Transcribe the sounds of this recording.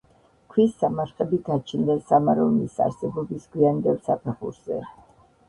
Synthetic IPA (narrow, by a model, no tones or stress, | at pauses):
kʰwisːamaɾχɛbiɡat͡ʃʰind̪ɛsamaɾɔnisa̰ɾsɛbɔbisɡ̥wiand̪ɛlsapʰɛχṵɾz̥ɛ̰